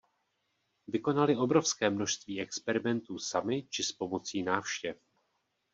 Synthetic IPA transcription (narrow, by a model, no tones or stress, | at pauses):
vɪko̞nalɪʔo̞bɾo̞fskɛːmno̞ʃst̪viːɛkspɛɾɪmɛnt̪uːsamɪt͡ʃɪspo̞mo̞t͡siːnaːfʃcɛf